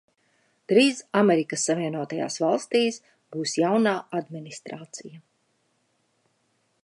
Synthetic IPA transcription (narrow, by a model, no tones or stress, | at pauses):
t̪ɾiːsameɾikəsːaviɛnuɔt̪aja̰ːsvalˠst̪iːs | b̥uːsjawnaːʔad̪minist̪ɾaːt̪sija